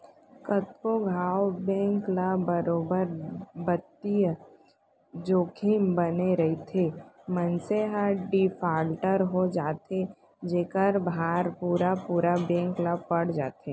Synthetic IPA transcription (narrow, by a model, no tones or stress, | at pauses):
kət̪koɡʱaːwbɛ̃ːŋklabəɾoːbəɾbət̪ːij | d͡ʒoːkʰimbəneɾɐɦit̪ʰemənseɦaɖifʰaːlʈəɾɦod͡ʒaːt̪e | d͡ʒeːkəɾbʱaːɾpuːɾapuːɾabɛ̃ːŋklapɐɽ̤d͡ʒaːt̪eː